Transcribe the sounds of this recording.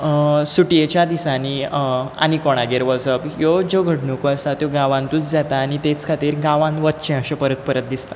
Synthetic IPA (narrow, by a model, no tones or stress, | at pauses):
suʈjet͡ɕjad̪isãnia̰nikɔɽ̃aɡeɾʋəd͡zəbjod͡zoɡʱəʈnokoəsat̪joɡaʋãnt̪ut͡sd͡zat̪aːñit̪et͡skʰat̪iːɾɡãʋãnʋət̪ːt͡ɕẽəɕepəɾət̪̚pəɾət̪̚d̪ist̪ḁ